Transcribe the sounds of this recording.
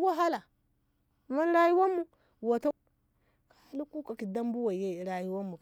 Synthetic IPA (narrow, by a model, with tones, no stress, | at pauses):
wa˦ɦa˦la˨ | ma˦n˦ɾa˦ju˦wa˦mːu˦ | wa˨ta˦ | kḁ˨˦lu˦ku˦ka˨ki˨da˦m˦bu˦wa˨je˦˨ɾa˨ju˦wa˦mːu˨